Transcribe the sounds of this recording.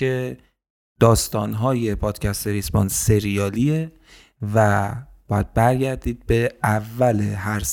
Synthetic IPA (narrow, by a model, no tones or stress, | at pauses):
e | d̪̥ɒːst̪ɒːnɦɒːje̞pʰɒːd̪̥cʰæst̪eɾisbo̰nse̞ɾijɒːlie | væb̥ɒːjæd̪̚bæɾɟæɾd̪iːd̪̚be̞ævːæleɦæɾs